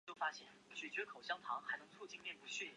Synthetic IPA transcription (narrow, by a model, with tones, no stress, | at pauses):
t͡ɕjo˥˩ʊfa˥ɕjɛ˥˩nt͡ɕɥɛ˨˩t͡ɕɥɛ˧˥kʰo˨˩ʊɕjɑ˥ŋt̪ʰɑ˧˥ŋxa˧˥ɪnɤ˧˥ŋt͡sʰwu˥˧˩t͡ɕi˥˧nljɛ˥˩npu˧˥ɕɥi˥˩